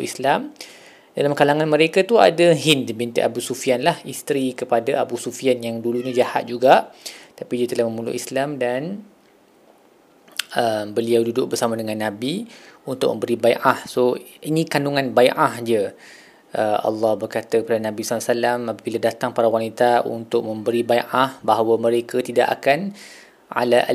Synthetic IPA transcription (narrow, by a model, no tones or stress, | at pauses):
ʔḭslam | dalamkalaŋanməɾekat̪ua̰daɦɪndibint̪ḛʔabusufianlahist̪ɾikəpadaa̰busufianjaŋduluɲəd͡ʒahat̪̚d͡ʒuɡaʔt̪apidiət̪əlahməmulʊ̰ʔislamdan | əmbəliawdudʊʔ̚bərsamadəŋãnːabiunt̪ʊʔ̚mə̃mbəɾibaiʔahsoinĩkanuŋãnbaiʔahd͡ʒə | ʔəɑ̰lːɑhbərkat̪əpəɾdananãbisalːasalamapabiladat̪aŋpaɾawanit̪aṵnt̪ʊk̚mə̃mbəɾibaiʔahbaɦawəməɾekət̪ida̰ʔa̰kan | a̰laʔ